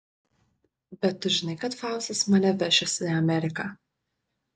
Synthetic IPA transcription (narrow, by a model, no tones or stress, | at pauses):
bʲɛt̪tːʊʒʲɪnɐɪkɐt̪fɑˑʊsʲɛsmɐnʲɛʋʲɛʃʲɛsʲɪɐmʲɛɾʲɪkɑ